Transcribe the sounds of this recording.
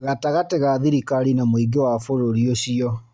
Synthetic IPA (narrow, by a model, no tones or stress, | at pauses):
ɣataɣateɣaðiɾikaɾinamwiɡewafoɾoɾioɕiɔ